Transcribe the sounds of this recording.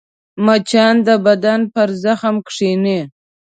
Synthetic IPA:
mat͡ʃɑnd̪əbad̪anpaɾzaxamkʂini

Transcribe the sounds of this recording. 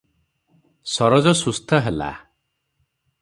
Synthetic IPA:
sɔɾɔd͡ʒɔsust̪ʰɔɦela̰

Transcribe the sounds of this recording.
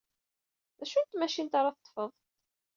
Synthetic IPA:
ðæʃunt̪mæʃint̪ɑɾˤɑθə̥t̪ːˤfəðˤ

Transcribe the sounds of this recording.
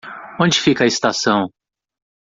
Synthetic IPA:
õd͡ʒɪfikɐɪst̪asɐ̃w̃

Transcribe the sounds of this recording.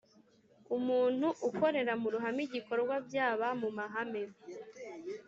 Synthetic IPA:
umuːn̥huʔuko̞ɾe̞ɾamuɾuɦamiɟiko̞ɾɡwabjaːβamumaɦameβ

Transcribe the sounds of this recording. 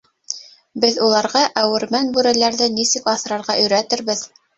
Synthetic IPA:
bɘðulˠɑɾʁɑʔæwɘ̆ɾmænbʉɾælæɾðɘnisɘkɑθɾɑɾʁɑʔɵ̆jɾæt̪ɘɾβɘð

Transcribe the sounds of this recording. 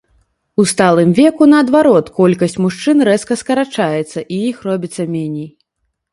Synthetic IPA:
ust̪alˠɨmvʲɛkunɐːd̪vaɾɔt̪kɔlʲkɐsʲt͡sʲmuʂt͡ʂɨnɾɛskɐskɐɾat͡ʂajɛt̪sːɐʔijixrɔbʲit̪sːɐmʲenʲej

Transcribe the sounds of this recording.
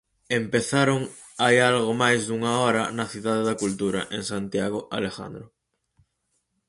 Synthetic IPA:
empeθaɾoŋ | ajalɣomajzðuŋaɔɾɐ̰nɐθiðaðeðakult̪uɾa̰ʔeŋsant̪jaɣ̞oʔa̰lexa̰nd̪ɾo

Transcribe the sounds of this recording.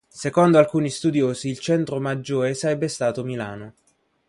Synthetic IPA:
sekɔnd̪oalkuːnist̪ud̪joːsiːlt͡ʃɛnt̪ɾomad͡ʒːoːɾesaɾɛbːest̪aːt̪omilaːno

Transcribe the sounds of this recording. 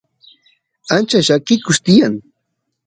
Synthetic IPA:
ant͡ʃaʃakɪkʊʃt̪ɪjaŋ

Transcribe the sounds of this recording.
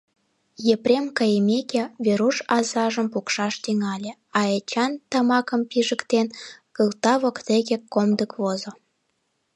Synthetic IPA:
jeprʲemkɑjəmʲekeβeɾuʃɑzɑʒəmpukʃɑʃt̪yŋɑlʲĕ | ɑet͡ɕɑnt̪ɑmɑkəmpiʒəkt̪enkəlt̪ɑβokt̪eɣekːomd̪əkβozo

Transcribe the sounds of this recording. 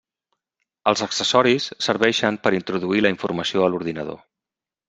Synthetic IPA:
əlˠzəksəsɔɾisːəɾβɛʃəmpəɾint̪ɾuðuiləiɱfurməsioəluɾðinəð̞o̰

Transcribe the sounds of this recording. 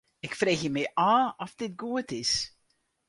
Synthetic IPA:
ɪkfreːxjəmɛjʔaːɔfdɪt̚ɡuətɪs

